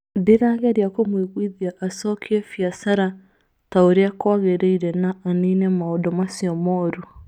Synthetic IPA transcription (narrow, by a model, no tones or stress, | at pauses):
deɾaːɡɛɾjakomweɣwiðiaʔasɔkʰiɛfiasaɾa | taoɾeakwaɣeɾeiɾɛnaːniːnɛmaɔdɔmasiɔmɔɾu